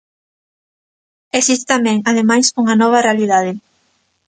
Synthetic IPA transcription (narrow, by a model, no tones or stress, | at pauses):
esist̪e̥t̪amɛ̃ŋaðemajsuŋɐnɔβ̞ɐrealiðað̞e